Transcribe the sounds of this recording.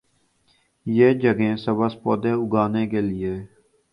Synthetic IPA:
jeːd͡ʒəɡẽːsəbəspɔːd̪eːʊɡaːneːkeːlɪeː

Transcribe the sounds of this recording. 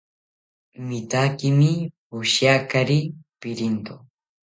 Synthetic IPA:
mɪt̪akɪmɪ | ʊʃjakaɾipɪɾint̪o

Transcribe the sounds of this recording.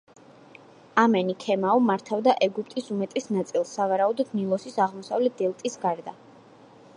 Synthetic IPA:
amɛnikʰɛmaɔmaɾt̪ʰavd̪aʔɛɡupʰt̪ʼisumɛt̪ʼɛsnat̪sʼilˠsːavaɾaud̪ɔd̪nilˠɔsisaʁmɔsavlɛt̪̚d̪ɛlˠt̪ʼisɡaɾd̪a

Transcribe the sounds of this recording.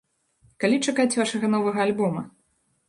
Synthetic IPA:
kalʲit͡ʂakat͡sʲvaʂɐɣɐnɔvɐɣɐːlʲbɔmɐ

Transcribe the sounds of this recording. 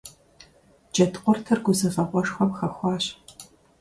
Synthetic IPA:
d͡ʒɐtʰqʷʼɔrtʰɐrɡʷʊzɐfɐqʷʼɔʂxʷɔmxɐxʷɑːɕ

